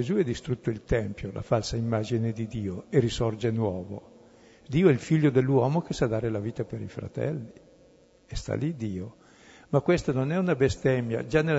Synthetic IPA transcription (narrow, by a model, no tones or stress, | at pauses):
ezuɛd̪ːist̪ɾut̪ːoilt̪ɛmpjolʔa̰falsaimːaːd͡ʒined̪id̪iːoerisɔrd͡ʒenwɔːvo̰ | d̪iːoɛilfiʎːod̪elːwɔːmok̟esad̪aːɾelaviːt̪apeɾifɾa̰t̪ɛ̰lːi | ɛst̪a̰lid̪iːo | makwest̪anonɛunabest̪ɛmja̰d͡ʒanːel